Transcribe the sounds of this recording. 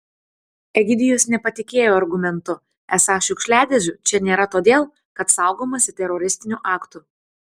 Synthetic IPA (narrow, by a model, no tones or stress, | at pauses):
ɛɡʲɪd̪ʲɪjosnʲɛpɐt̪ʲɪkʲeːjoːɐɾɡʊmʲɛnt̪ʊ | æsɑːʃʲʊkʃʲlʲæːd̪ʲɛzʲʊt͡ʃʲɛnʲeːɾɐt̪oːd̪ʲeːlˠ | kɐt̪sɑˑʊɡoːmɐsʲɪt̪ʲɛɾɔɾʲɪsʲt̪ʲɪnʲuːʔɑːkt̪ʊ